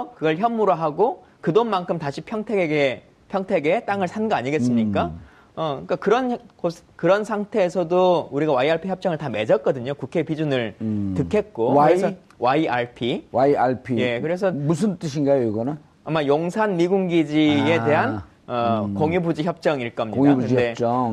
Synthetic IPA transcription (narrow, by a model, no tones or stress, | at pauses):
ʌkɯɡʌɭçjʌmːuɾoɦaɡo | kɯdonmankʰɯmtaɕʰipʰjʌŋtʰeɡeɡe | pʰjʌŋtʰe̞ɡe̞t͈aŋɯɭsʰanɡʌaɲiɡes͈ɯmɲikk͈a | ʌkakɯɾʌnkokɯɾʌnsʰaŋtʰe̞ːsʰʌdouɾiɡawaiaɭpʰiçjʌp̚t͡ɕ͈ʌŋɯɭtame̞d͡ʑʌt̚k͈ʌdɯɲokukʰe̞epid͡ʑunɯɭtɯkʰe̞t̚k͈oɯɾeʌ | waiʔaɭpʰiwaiaɭpʰije̞kɯɾe̞s̬ʰʌmusʰɯnt͈ɯɕʰinɡajoiɡʌna | amajoŋsʰanmiɡuŋɡid͡ʑie̞te̞ɦan | ʌkoŋjubud͡ʑiçjʌp̚t͡ɕ͈ʌŋiɭk͈ʌmɲidauɯnidet͡ɕʌ